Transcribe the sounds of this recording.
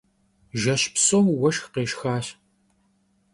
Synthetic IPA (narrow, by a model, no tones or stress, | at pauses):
ʒɐɕpsoːmwɐʃxqeːʃxaːɕ